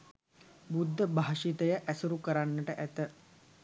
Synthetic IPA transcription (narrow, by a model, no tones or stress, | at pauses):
bud̪ʱːəbʱaɦaʃit̪əjəʔæsuɾukəɾanːəʈəʔæt̪ə